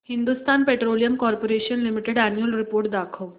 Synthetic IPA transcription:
hind̪ust̪anpeʈɾolijəmkɔɾpoɾeɕənlimiʈeɽænjulɾipoɾʈ̚d̪akʰəw

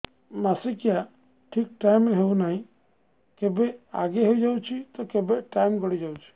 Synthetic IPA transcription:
masikja | ʈʰiːk̚ʈaɪmːeɦeũnaːɦĩ | kebea̰ɡeɦoid͡ʒaut͡ʃʰit̪ɔkebeʈaːjmɡɔɽid͡ʒaut͡ʃʰi̥

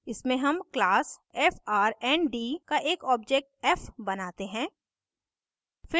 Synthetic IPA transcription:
ɪsmẽɦɐmklaːsɛːfaːɾɛːnɖiːkaʔeːkɔːb̚d͡ʒeːk̚ʈ̚ɛːfbɐnaːt̪eɦɛ̃ː | fɪ

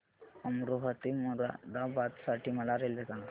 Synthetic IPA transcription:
ɐmɾuɦət̪imuɾa̰d̪abat̪saʈimɐlaɾelek̪an

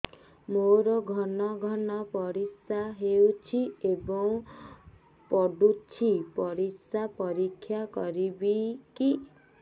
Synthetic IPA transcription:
moɾɔɡʱɔnɔɡʱɔnɔpɔɾisaɦewt͡ʃʰiebɔŋ | pɔɖut͡ʃʰipɔɾisapɔɾikʰːjakɔɾibiki

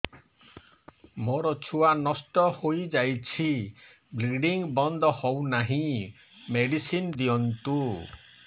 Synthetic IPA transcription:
moɾɔt͡ʃʰuanɔsʈɔhojd͡ʒajt͡ʃʰi | bliɖiŋbɔnd̪ɔhɔwnaɦĩ | meɖisind̪ijɔnt̪u

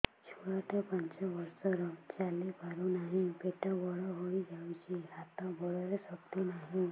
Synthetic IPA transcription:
t͡ʃʰuɽaʈapəɲt͡ʃɔbɔɾsɔɾɔt͡ʃalepaɾunaɦĩpeʈabɔɽɔɦoid͡ʒawt͡ʃʰiɦat̪ãbɔɽɔɾesɔbt̪onaɦĩ

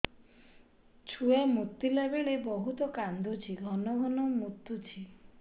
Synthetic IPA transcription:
t͡ʃʰuamut̪ːilebeɭebɔɦut̪ɔkand̪ʱut͡ʃʰiɡʱɔnɔɡʱɔnɔmut̪ːut͡ʃʰi

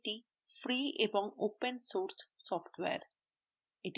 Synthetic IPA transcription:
ʈi | fɾiːʔebɔ̃ŋoːpə̃nsoːɾsːɔːfʈʋḛːɾ | ɪʈ

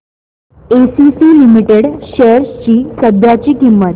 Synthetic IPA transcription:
esisiːlimiʈeɽɕeɾst͡ɕiːsəb̪ʱjat͡ɕiːkimːət̪

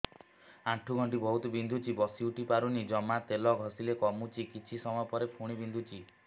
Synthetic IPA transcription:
aʈʰuɡʱɔɳʈ̬ibɔɦut̪ɔbind̪ʱut͡ʃibɔsiuʈipaɾunid͡ʒɔmat̪elɔɡʱɔsilekɔmut͡ʃikit͡ʃʰisɔmɔjɔpɔɾepʰuɽ̃ibind̪ʱut͡ʃi

